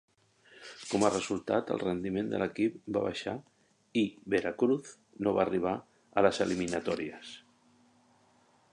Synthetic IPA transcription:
komarəzulˠt̪at̪ə̰lˠrend̪imend̪ə̰ləkip̚ba̰βa̰ʃa | ibeɾakɾuθ | noβariβ̞a | ələsəliminat̪ɔɾiəs

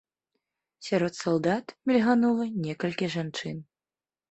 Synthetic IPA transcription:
sʲaɾɔt̪salˠd̪at̪mʲilʲɣanulˠɐnʲɛkɐlʲkʲiʐant͡ʂɨn

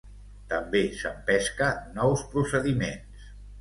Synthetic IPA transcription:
t̪əmbesəmpɛskənɔwspɾusəðimens

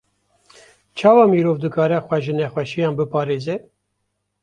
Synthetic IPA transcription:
t͡ʃʰɑːwɑːmiːɾoːvd̪ɨkɑːɾɛxʷɛʒɨnɛxwɛʃijɑ̃ːnbɨpɑːɾeːzɛ

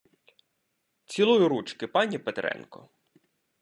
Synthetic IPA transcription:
t͡sʲilˠujʊɾut͡ʃkɪpɑnʲipet̪ɾɛ̰nkɔ̰

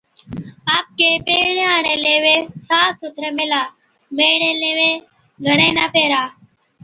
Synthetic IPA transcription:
aːp̚keːpeːɳeːaːɳẽːleːʋeːsaːsʊt̪ʰɾẽːmɪlaː | meːɳẽːleːʋẽː | ɡʱəɽẽːnaːpeːɾaː

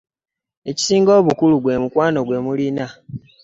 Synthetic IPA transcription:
e̞ci̥siːŋɡo̞ːβukuluɡwe̞mukwaːno̞ɡwe̞ːmulina

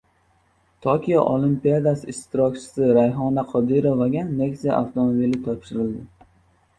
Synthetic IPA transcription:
t̪ʰokʲʰijaʔolˠimpijad̪asɪɪʃt̪ʰɪɾɒkʲt͡ʃʰɪ̥sɪɾajɦɒnaqʰɒd̪ɪɾovaɡʲanːeksija̰ʔa̰ft̪ʰomobilɪt̪ʰɒpʃɪɾɪld̪ɪ

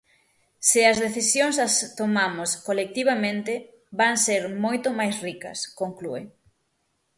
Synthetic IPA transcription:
sɪɐzðeθisjoŋs̬ɐst̪omamoskolek̚t̪iβamẽnt̪ɪ | baŋseɾmojt̪omajsrikɐ̰skoŋklue

